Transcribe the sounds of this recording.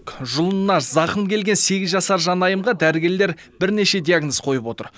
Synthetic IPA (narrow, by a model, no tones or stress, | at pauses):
kʒʊlˠənnːɑʃzɑqəmkʲʰe̞lɡʲe̞nse̞ɡʲɪzʒɑsɑɾʒɑnɑjəmʁɑd̪æɾɪɡʲe̞ɾle̞ɾ | bɪɾne̞ʃe̞d̪ʲiaɡnosqʰo̞jəpwo̞t̪ə̰ɾ